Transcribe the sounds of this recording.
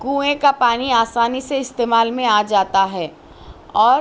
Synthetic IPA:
ɡũːẽkapaːniaːsaːniseɪst̪eːmaːlmẽaːd͡ʒaːt̪aɦɛː | ɔːɾ

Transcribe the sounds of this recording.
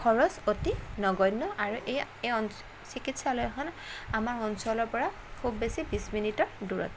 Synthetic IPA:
kʰɔɹɔsotinɔɡɔjnːɔʔaɹuʔej | eɔn | sikitsalojkʰɔn | amaɹɔnsɔlɔɹpɔɹa | kʰubːesibisminitɔɹduɹɔ̰t

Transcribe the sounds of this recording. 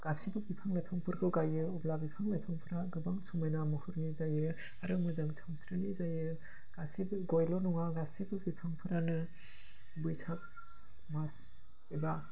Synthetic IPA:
ɡ̥asibɯbipʰaŋlajpʰaŋpʰɯɾɡɯɡajɯɔblabipʰaŋlajpʰaŋpʰɯɾaɡɯbaŋsumajnamɯhuɾnizajɯ | aɾɯŋmɯzaŋsʰawsɾelizajɯ | ɡ̥asibɡɔjlɔnɔŋaɡasibɯbipʰaŋpʰɯɾanɯ | bujsʰak̚ | mas | eba

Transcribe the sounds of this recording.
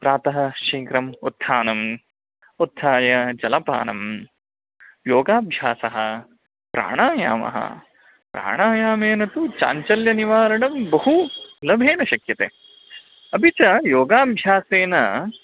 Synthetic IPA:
pɾaːt̪ɐɦɐ̆ʃiːŋkɾɐmut̪ʰːaːnɐm | ut̪ʰːaːjɐd͡ʒɐlɐpa̰ːnɐ̰m | joːɡaːbʱjaːsɐɦɐ | pɾa̰ːɳaːja̰ːmɐ̰ɦɐ̰ | pɾa̰ːɳaːjaːmeːnɐt̪ut͡ʃa̰ːɲt͡ʃɐljɐniʋaːɾɐɳɐmbɐɦulɐbʱeːnɐʃɐkjɐt̪ḛː | ɐpit͡ʃɐjoːɡaːbʱjaːseːnɐ

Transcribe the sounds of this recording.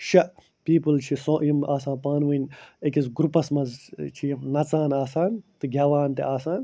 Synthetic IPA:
ʃɐʔ | piːpɨlt͡ʃʰisõjimaːsãːnpaːnʋɨnʲekʲisɡɾupɐsmɐzt͡ʃʰijinɐt͡saːnaːsaːnt̪ɨɡʲaːʋaːnt̪ḛaːsaːn

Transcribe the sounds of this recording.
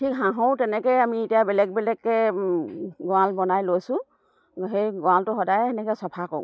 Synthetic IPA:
tʰikɦãɦõwtɛnɛkɔjamiːtijabɛlɛk̚bɛlɛkːɛ | ɡɔalbɔnajlojsʊ̃ | ɦejɡɔãltʊɦɔdajɛɛnɛkɛsɔpʰakɔ̰ʊ

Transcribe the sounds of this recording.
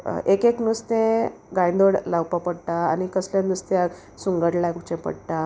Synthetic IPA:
ekeknust̪ẽɡãj̃nd̪oɽlawpapəɽt̪aːnikəsljãnust̪ja | suŋɡəʈlaɡt͡ɕẽpə̰ɽʈ̪a

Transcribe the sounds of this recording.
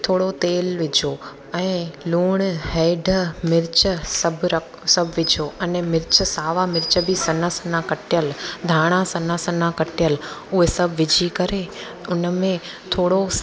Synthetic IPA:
t̪ʰoːɽot̪eːlʋɪd͡ʑʱo | ɛ̃ːluːɽ̃hɛːɪɖʱəmɪɾt͡ɕəsɐbʱɾk | sɐbʱʋɪd͡ʑʱoʔɛnmɪɾt͡ɕəsaːʋamɪɾt͡ɕəbʱisɐnasɐnãkɐʈʰijəld̪ʱaːɽ̃ãsɐnasɐnakɐʈijəlʊɦesɐbʱʋɪd͡ʑʱikɐɾe | ʊnəmẽ | t̪ʰoːɽo

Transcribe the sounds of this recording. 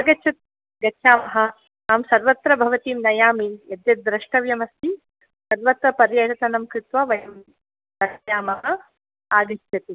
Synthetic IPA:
ɐɡɐt͡ʃʰut̪̚ | ɡɐt͡ʃʰaːmɐɦɐ̆ | aːmsɐɾʋɐt̪ɾɐbʱɐʋɐt̪iːmnɐjaːmijɐd̪jɐt̪̚d̪ɾɐʂʈɐʋjɐmɐst̪ʰi | sɐɾʋɐt̪ɐpɐɾjɐʈɐt̪ɐnɐmkɾɪt̪ʋɐʋɐjɐm | d̪ɐjaːmɐɦɐ̆ | aːd̪iʃt̪jɐt̪i

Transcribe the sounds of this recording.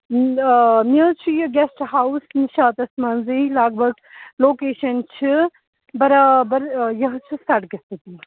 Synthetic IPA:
mit͡ʃʰijɐɡesʈɦawsniʃaːt̪ɐsmaːnzɐilaːɡ̚bʱɐɡ | loːkeːʃɐnt͡ʃʰi | bɐɾaːbɐɾjɐɦt͡ʃʰusaʈɡɐst̪ɨt̪i

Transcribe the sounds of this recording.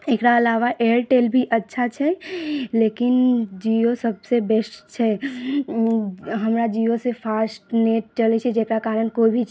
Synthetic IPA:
eːkɾaːlaːʋaʔeəɾʈeːlbʱiʔətːʃʰat͡ʃʰɛlekɪnd͡ʒiosəbsebɛsʈt͡ʃʰɛ | ɦəmɾad͡ʒijosepʰaːsʈneʈ̚t͡ʃəlet͡ʃʰɛd͡ʒeːkɾakaːɾənkoibʱi

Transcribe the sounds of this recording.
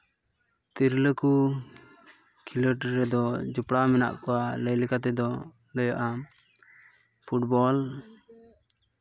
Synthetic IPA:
t̪iɾləku | kʰiləʈɾɛd̪ɔd͡ʒupɽamɛna̰ʔkɔwaləjlɛkat̪ɛd̪ɔ | ləjaʔa | pʰuʈ̚bɔl

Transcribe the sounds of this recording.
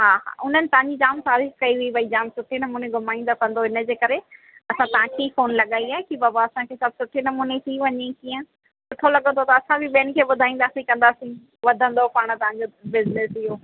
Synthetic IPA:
ɦaːɦa̰ːʊn̤ənɪ̆t̪ɐʋ̤ãɲd͡ʑid͡ʑaːmt̪aːɾiːkkɐiɦʊibʱɐid͡ʑaːmsʊʈʰinɐmuːneɡʱʊmaːĩnd̪akɐ̃nd̪oɪnə̆d͡ʑeːkɐɾe | ɐsãt̪ɐɦãkʰifoːnlɐɠaːiaːɦekibaːbaɐsãkʰeːsɐb̚ʱsʊʈʰinɐmuːnet̪ʰiʋɐɲekiːə̃ | sʊʈʰolɐɠə̃nd̪ot̪ɐɐsãbɪɓeːnkʰeːɓʊd̪ʱaːĩːn̆d̪aːsĩkɐ̃nd̪aːsĩ | ʋɐd̪ʱə̃nd̪opaːɽ̃ət̪ɐʋɦãɲd͡ʑobɪznesɪɦoː

